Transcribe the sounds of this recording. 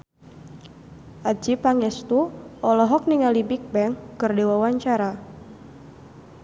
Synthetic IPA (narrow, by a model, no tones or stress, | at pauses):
ʔad͡ʒipaŋɛst̪uʔɔlɔɦɔk̚niŋalibik̚bɛŋkɨrdewawaɲt͡ʃaɾa